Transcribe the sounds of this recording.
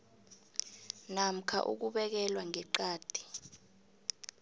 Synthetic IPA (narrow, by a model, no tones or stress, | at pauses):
nam̩kʰa̰ʔṵk̬uɓɛk̬ɛlwaŋɛǃaːd̥ʱi̥